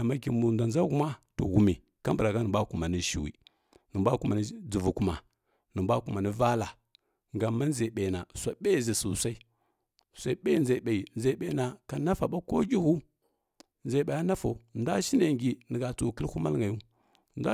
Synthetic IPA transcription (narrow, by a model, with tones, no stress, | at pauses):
a˨ma˦ki˨mu˨da˨nza˦ɡu˦ma˦to̰˨ɣu˨mi˨ | ka˦mbɾa˨ɡa˦nə˨bʷa˦ku˨ma˨ni˦ʃḭ˨wḭ˨ | nə˨mbʷa˦ku˦ma˨ni˦d͡zu˨vu˨ku˨ma˨ | nə˨bʷa˦ku˨ma˨ni˦va˦la˨ | ŋɡa˨ma˦n˦za˨ɓa˨na˨sʷa˨ɓa˦i˦zi˨su˨sa˦i˦ | sa˦i˦ɓa˦i˦nza˨ɓa˨i˨nd͡za˨i˦˨ɓa˨˦na˨ka˨na˦fa˨ɓa˦ko˦ɡʲi˦hu˦ | nza˨i˦˨ɓa˨ja˦na˦fa˨u˨nda˦ʃi˦na˨ŋɡi˨nə˨ɡa˨t͡su˦˨kə˦lhu˦ma̰˦lŋɡa˨ju˦ | nda˦